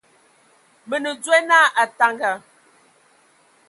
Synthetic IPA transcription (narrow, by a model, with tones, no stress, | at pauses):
mə˨nə˨d͡zɛ˦na˦˨ʔa˨ta˨ŋɡa˨